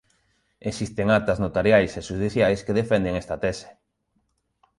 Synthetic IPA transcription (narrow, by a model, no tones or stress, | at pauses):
eksist̪eŋat̪aznot̪aɾjajseʃuðiθjajskeðefend̪eŋest̪at̪ɛse̥